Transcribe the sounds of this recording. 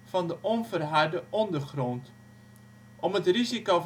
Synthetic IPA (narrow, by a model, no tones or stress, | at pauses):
fɑndəʔɔnvərɦardəʔɔndərχrɔnt | ʔɔmətriziko